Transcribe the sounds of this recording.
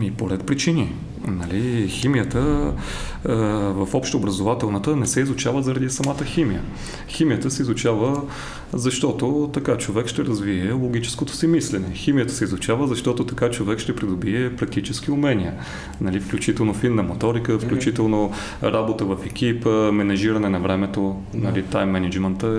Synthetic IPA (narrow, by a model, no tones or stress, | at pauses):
mipoɾɛt̪̚pɾit͡ʃini | nɐliximijət̪ə | vɐfɔpʃt̪oːbɾəzovat̪ɛlˠnət̪ənɛsɛizʊt͡ʃavəzɐɾɐd̪isɐmat̪əximijə | ximijət̪əsɛizʊt͡ʃavə | zɐʃt̪ɔt̪ot̪ɐkat͡ʃovɛkʃt̪ɛɾɐzviɛlˠoɡʲit͡ʃɛ̥skot̪o̥simislɛnɛximijət̪ə̥sɛizʊt͡ʃavəzɐʃt̪ɔt̪ot̪ɐkat͡ʃovɛkʃt̪ɛpɾid̪ʊbiɛpɾɐk̚t̪it͡ʃɛsk̟iʊmɛnʲiə | nɐlifklʲut͡ʃit̪ɛlˠnofinːɐmot̪ɔɾikəfklʲut͡ʃit̪ɛlˠno | ɾabot̪əvəfɛkʲipəmɛnɐʒiɾɐnɛnɐvɾɛmɛt̪o | nɐlit̪ajmːɛnɛd͡ʒmɛnt̪ə